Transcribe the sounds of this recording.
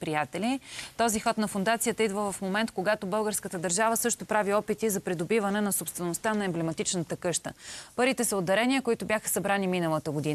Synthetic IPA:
pɾijat̪ɛlit̪ɔzixɔt̪nɐfʊnd̪at̪sijət̪əid̪vəvɐfmomɛnt̪koɡat̪obɤlˠɡəɾskət̪əd̪əɾʒavəsɤʃt̪opɾaviɔpit̪izɐpɾid̪obivɐnɛnɐsopst̪vɛnost̪anɐɛmblɛmɐt̪it͡ʃnət̪əkɤʃt̪ə̰pɤɾit̪ɛsəod̪ːɐɾɛniəkoit̪ʊbjaxə̥sɐbɾaniminəlˠət̪əɡod̪in

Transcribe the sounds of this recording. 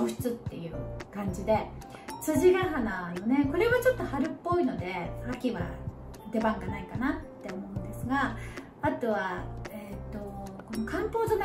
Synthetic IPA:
oɕt͡sɨt̪ːe̞jɯ̟ːkãɲ̟d͡ʑid̪e̞ | t͡sɨʑiɡaɦanaj̪one̞ko̞ɾe̞βat͡ɕo̞t̪ːo̞haɾɯ̟pːo̞ino̞d̪e̞akʲiβa̰ | d̪e̞bãŋɡanaikanat̪ːe̞o̞mo̞ɯ̟̃nd̪e̞sɨɡa | at̪o̞βaet̪ːo̞ko̞no̞kãmpo̞ːd͡ʑona

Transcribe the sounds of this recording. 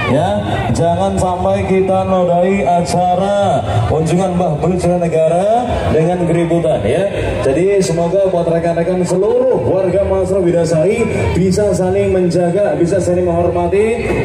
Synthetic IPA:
ja | d͡ʒaŋansampajkit̪anodaiat͡ʃaɾauɲd͡ʒuŋanbaɦbɾt̪d͡ʒəŋanːəɡaɾa | dəŋankəɾibut̪anja | d͡ʒadisəmaɡabuat̪rəkanakansəluɾʊhwarɡamasɾabidasai | b̥isasalɪŋməɲd͡ʒaɡabisasanɪŋməŋɦɔrmat̪i

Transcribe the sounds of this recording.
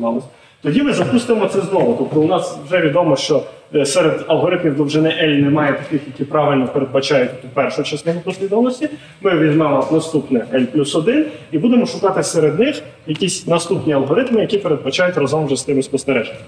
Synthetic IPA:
ɑlˠɪsʲɐ | t̪ɔdʲimɪzɐpust̪ɪmɔt̪sɛznɔʋʊt̪ɔp̚t̪ɔʊnɑswʒɛʋʲid̪ɔmɔʃt͡ʃɔ | sɛɾed̪ɐlˠɦɔɾɪt̪mʲiwd̪ˠɔwʒɪnɪʔɛlʲnemɑjɛt̪ɐkʲɪxjɐkʲipɾɑʋɪlʲnɔpeɾed̪̚bɐt͡ʃɑjʊt̪̚ʲɔpɛrʃʊt͡ʃɛsnʲɔɦɔpɔsʲlʲid̪ɔʋɐnˠɔsʲtʲi | mɪʋʲizmɛnasnɐst̪upnɛʔɛlʲplʲusɔd̪ɪnibud̪emɔʃʊkɑt̪ɪseɾed̪nɪxjɐkʲisʲnɐst̪upnʲiɐlˠɦɔɾɪt̪mɪjɐkʲipeɾed̪̚bɐt͡ʃɑjʊtʲrɐzɔmʒɛst̪ɪmɪspɔst̪eɾɛʒe

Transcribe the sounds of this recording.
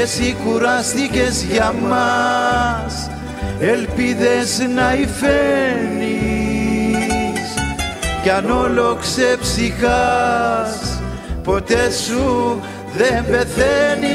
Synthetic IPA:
sikuɾɐst̪ice̞zʝɐmɐ | s | e̞lpiðe̞snɐifeni | scɐnoloksepsixa | s | po̞t̪e̞su | ðembe̞θeni

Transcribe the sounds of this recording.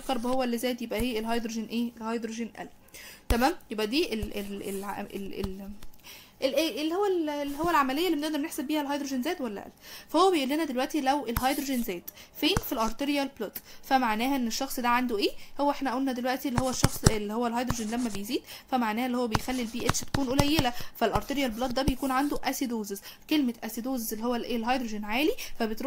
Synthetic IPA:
kːɑɾˤbhowːælːizæːt̪jebʔæheːelhɑjd̪ɾoʒenʔeːlhɑjd̪ɾoʒenʔæ̰l | t̪æmæːmjebʔæd̪iːʔelʔelelʕʔeel | ʔelʔeːʔelːihowːællːihowːælʕamælejːælːimeneʔd̪ɑɾneħsebːiːhælɦɑjd̪ɾoʒenzæːd̪wælːæ̰ʔæ̰lːfæhowːæbejʔulːenæd̪elwæʔt̪ilæwʔelɦɑjd̪ɾoʒenzæːd̪feːnfilʔɑɾˤt̪eɾjælblɑt̪fæmaʕnæːhæʔenːeʃːɑxsˤd̪æʕand̪oʔeːhowæʔeħnæʔæʔulnæd̪elwæʔt̪ielːihowːæʃːɑxsˤelːihowːælɦɑjd̪ɾoʒenlæmːæbejziːd̪fæmaʕnæːhæelːihowːæbejxælːilbiːʔet̪ʃæt̪æ̥kuːnʔolæjːelæfælʔɑɾˤt̪eɾjælblɑt̪̚d̪æbejækuːnʕand̪oʔæsid̪oːzezkelmeʔæsid̪oːzezelːihowːælʔeːlɦɑjd̪ɾoʒenʕaːlifæbet̪ɾ

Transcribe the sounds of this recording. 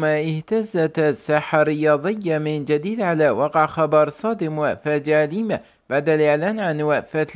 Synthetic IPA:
maʔɪht̪azat̪asːaħaɾɪjɑːðˤɪjːamɪnd͡ʒad̪iːd̪ʕalaːwɑqʕxɑbɑɾˤsˤɑːd̪ɪmwaʔfad͡ʒaːliːma | b̥aʕd̪alʔɪʕlaːnʕanwaʔfa

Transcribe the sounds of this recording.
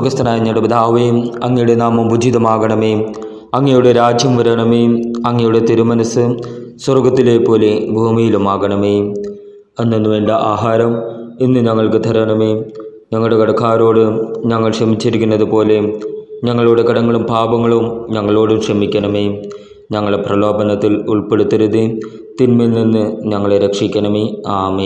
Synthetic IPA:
ɡɐst̪ʰɐnaːjinːɐɽɐbd̪ʱaːʋejumɐŋːɐjuɽenaːmɐmbud͡ʑiðɐmaːɣɐɳɐmeːm | ɐŋːɐjuɽe̞ɾaːd͡ʑjɐmʋɐɾɐɳɐmeːjumɐŋːɐjuɽe̞t̪iɾumɐnɐsɨswɐrɡɐt̪ːileːpːo̞ːle̞bʱuːmijilumaːɣɐɳɐmeːj | ɐnːenːuʋe̞ːɳɖɐʔaːɦaːɾɐminːɨɲɐŋːɐɭkɨd̪ʱɐɾɐɳɐmejm | ɲɐŋːɐuɽekɐɽɐkʰaːɾo̞ːɽɨɲɐŋːɐɭʂɐmit͡ɕːiɾikʲːunːɐðɨpo̞ːle̞ɲɐŋːɐɭuɽe̞kɐɽɐŋːɐɭumbʱaːbɐŋːɐɭumɲɐŋːɐɭo̞ːɽumʂɐmikʲːɐɳɐmeːjm | ɲɐŋːɐɭeprɐlo̞ːbɐnɐt̪ːilṵɭpeɽut̪ːɐɾuði | t̪inmilninːɨɲɐŋːɐɭeɾekʂikʲːɐɳɐmeaːme

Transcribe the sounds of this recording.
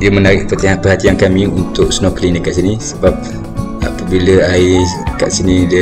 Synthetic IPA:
diəmənaɾɪʔpərt̪iŋaʔpəhat̪iankamĩunt̪ʊʔ̚snɔklindəkaʔ̪sinisəbap̚ | a̰pəbiləaika̰ʔsinidə

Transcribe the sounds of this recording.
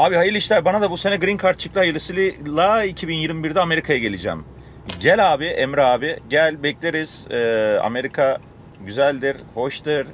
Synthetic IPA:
aːbiɦajɯɾlˠiʃlʲæɾbanad̪abuse̞nɛɡɾinkʰaɾt̪̚t͡ʃʰɯ̥kt̪ɯhajɯɾlˠɯsilʲilˠaicʰibinjiɾmibiɾd̪ɛame̞ɾikʰajaɟe̞lʲid͡ʒæ̰ːm | ɟælʲaːbiʔemɾaːbiɟælʲbɛclʲeɾiz̥ːa̰me̞ɾikʰa | ɟyzælʲd̪iɾho̞ʃt̪ɯɾ̥

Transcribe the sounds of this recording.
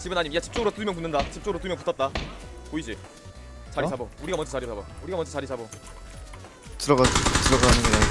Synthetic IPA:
t͡ɕibɯnaɲimjat͡ɕi̥p̚t͡ɕ͈oɡɯɾot͈umjŋk̬unːɯndat͡ɕip̚t͡ɕoɡɯɾot̬umjʌŋputʰʌt̚t͈apoid͡ʑi | t͡ɕaɾisʰabouɾiɡamwʌnd͡ʑʌt͡ɕaɾisʰabouɾiɡamʌnd͡ʑʌt͡ɕaɾisʰabo | tɯɾʌatɯɾʌɡaanɯnea

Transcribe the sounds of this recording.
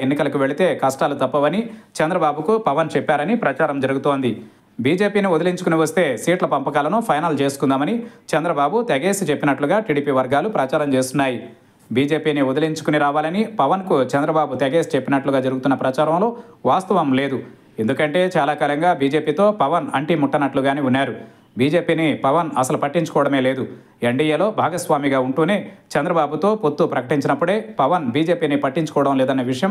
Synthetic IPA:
enːikɐlɐkuʋe̞ɭit̪e̞ːkɐsʈaːlut̪ɐpːɐʋɐnit͡ʃɛnd̪ɾɐbaːbukupɐʋɐnt͡ʃɛpːaːɾɐnipɾɐt͡ʃaːɾɐmd͡ʒɐɾuɡut̪o̞ːnd̪i | biːd͡ʒe̞ːpiːniud̪ɐliɲt͡ʃukuniʋɐst̪e̞ːsiːʈlɐpɐmpɐkaːlɐnupʰɐjnɐlt͡ʃe̞ːsu̥kund̪aːmɐnit͡ʃɐnd̪ɾɐbaːbut̪ɐɡe̞ːsit͡ʃepːinɐʈluɡaːʈiːɽiːpiːʋɐɾɡaːlupɾɐt͡ʃaːɾɐmt͡ʃe̞ːst̪unːaːji | biːd͡ʒe̞ːpiːniud̪ɐliɲt͡ʃu̥kuniɾaːʋaːlɐnipɐʋɐnkut͡ʃɐnd̪ɾɐbaːbut̪eɡe̞ːsit͡ʃepːinɐʈluɡaːd͡ʒɐɾuɡut̪unːɐpɾɐt͡ʃaːɾɐmlo̞ːʋaːst̪ɐʋɐmle̞ːd̪u | e̞nd̪ukɐɳʈe̞ːt͡ʃaːlaːkaːlɐŋɡaːbiːd͡ʒe̞ːpiːt̪o̞ːpɐʋɐnɐɳʈimuʈːɐnɐʈluɡaːniunːaːɾu | biːd͡ʒe̞ːpiːnipɐʋɐnɐsɐlupɐʈːiɲt͡ʃu̥kɔːʋɐɽɐme̞ːle̞ːd̪u | eɳɖiːjeːlo̞ːbʱaːɡɐsʋaːmiɡaːuɳʈuːneːt͡ʃɐnd̪ɾɐbaːbut̪o̞ːpot̪ːupɾɐkɐʈiɲt͡ʃinɐpːuɽe̞ːpɐʋɐnbiːd͡ʒe̞ːpiːnipɐʈːiɲt͡ʃukɔːɐɽɐmleːd̪ɐnːɐʋiʂɐjɐm

